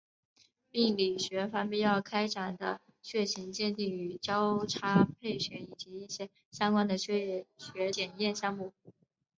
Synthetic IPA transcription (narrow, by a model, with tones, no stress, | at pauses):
pi˥˩ŋli˨˩ɕɥɛ˧˥fa˧˥npi˥˧jɑ˥˩ʊkʰa˥ɪʈ͡ʂa˨˩nd̪ə̰˦ | ɕɥɛ˥˩ɕʰi˧˥ŋt͡ɕjɛ˥˧nt̪i˥˩ŋy˨˩t͡ɕjɑ˥ʊʈ͡ʂʰa˥pʰe˥˩ɪɕɥɛ˧˥i˨˩t͡ɕi˧˥i˥˩ɕjɛ˥ | ɕjɑ˥ŋkwa˥nd̪ə˨˧ɕɛ˥ɕɥɛ˧˥t͡ɕjɛ˨˩njɛ˥˧nɕjɑ˥˧ŋmu˥˩